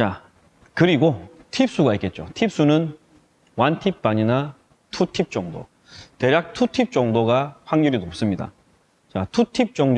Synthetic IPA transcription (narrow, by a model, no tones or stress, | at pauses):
t͡ɕa | kɯɾiɡotʰip̚s͈uɡaik͈e̞t̚t͡ɕ͈o̰tʰip̚s͈unɯn | wantʰip̚p͈aɲina | tʰutʰip̚t͡ɕ͈ʌŋdo̰ | te̞ɾjak̚tʰutʰip̚t͡ɕ͈ʌŋdoɡaɸwaŋɡʌɾinop̚s͈ɯmɲida̰ | t͡ɕatʰutʰip̚t͡ɕ͈ʌŋ